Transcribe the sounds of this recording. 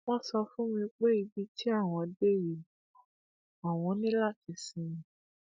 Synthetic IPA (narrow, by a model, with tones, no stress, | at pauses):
wɔ̃˦sɔ˧fũ˦mĩ˧k͡pe˦i˧bi˧tʰi˦a˦˨w̃ɔ̃˧˨de˦ji˨˦˨ | a˨w̃ɔ̃˧nĩ˦la˦˨ti˧sĩ˨˧mĩ˨